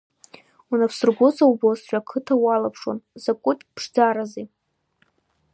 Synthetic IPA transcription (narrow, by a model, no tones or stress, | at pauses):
unapʰsɨrɡʷʊt͡sʰʼawbosʃʷᶣʼakʰɨtʰawalapʰʂo̰nzakʷʼʊtʼpʰʂd͡zaɾazi